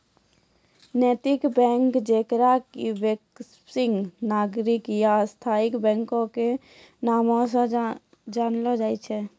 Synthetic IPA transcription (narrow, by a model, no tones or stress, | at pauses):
neːt̪ɪkbɛ̃ːŋkd͡ʒeːkɾakibek | sɪ̃ŋɡnaːɡɾɪkjast̪ʰaːɪkbɛ̃ːŋkõke | naːmõsə̃ | d͡ʒaːnlod͡ʒaːit͡ʃʰɛ